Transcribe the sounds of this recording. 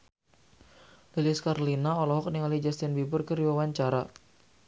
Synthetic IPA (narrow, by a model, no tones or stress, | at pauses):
ʔiliskaɾlinaɔlɔɦɔk̚niŋalid͡ʒast̪ɪnbibʊrkəriwawaɲt͡ʃaɾa